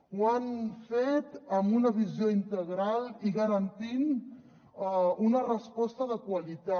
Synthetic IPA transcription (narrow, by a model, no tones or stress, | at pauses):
wanfet̪əmbunəβizioint̪əɣɾaliɣəɾənt̪in | unərəspɔst̪əðəkwəlit̪a